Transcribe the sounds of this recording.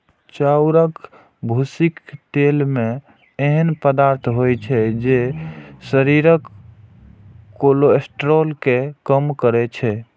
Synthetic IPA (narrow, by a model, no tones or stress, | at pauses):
t͡ʃauɾək | bʱusikt̪elme | eɦənpəd̪aɾt̪ʰɦojt͡ʃʰɛd͡ʒesəɾiɾək | oloesʈɾolkekəmkəɾɛt͡ʃʰɛ